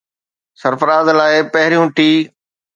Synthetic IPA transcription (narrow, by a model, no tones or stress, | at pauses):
səɾfɾaːzlaːɪpɐɦɪɾijũʈiː